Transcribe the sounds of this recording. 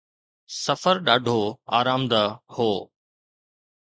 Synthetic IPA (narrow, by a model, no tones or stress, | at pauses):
sɐfəɾɗaːɖʱoa̰ːɾaːmd̪ɐhoː